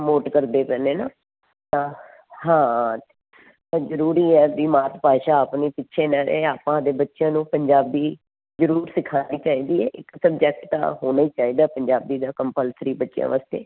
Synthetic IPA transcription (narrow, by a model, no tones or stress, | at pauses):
moːʈkəɾd̪eːpɛːneːnaː | t̪ãː | hãː | azəɾuːɾiːɛːbiːmaːt̪paːʃaːaːpniːpɪtːʃʰeːnaːɾeaːpãːd̪eːbətːʃjãːnũːpəɲd͡ʒaːbiː | zəɾuːɾsɪkʰaːd̪iːt͡ʃaːiːd̪iːɛːʔɪksəbd͡ʒɛk̚ʈt̪ã̰ːɦoːnaːiːt͡ʃaːiːd̪aːpəɲd͡ʒaːbiːd̪aːkəmpəlsəɾiːbətːʃjã̰ːʋaːst̪ḛː